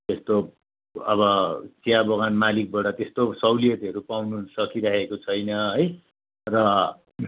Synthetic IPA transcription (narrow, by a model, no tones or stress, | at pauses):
t̪est̪o | ʌbʌt͡sijabʌɣanmalik̚bʌɽʌt̪est̪osʌwlijʌt̪ʌɾupawnusʌkiɾaɦekot͡sʰʌjnʌɦʌj | rʌ